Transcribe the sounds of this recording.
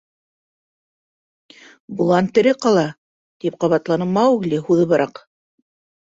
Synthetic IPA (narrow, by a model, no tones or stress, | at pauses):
bulˠɑnt̪ɘ̆ɾɘqɑlˠɑ | t̪ip̚qɑβɑt̪lˠɑnɤmɑʉɡlɘhuðɤβɤɾɑq